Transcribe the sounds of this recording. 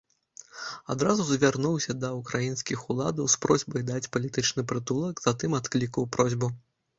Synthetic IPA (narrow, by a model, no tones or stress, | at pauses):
ad̪ɾazuzvʲarnuwsʲɐd̪ɐukɾajinskʲixulˠad̪ɐwspɾɔzʲbɐjd̪at͡sʲpɐlʲit̪ɨt͡ʂnɨpɾɨt̪ulˠɐɡz̥at̪ɨmat̪klʲikɐwpɾɔzʲbu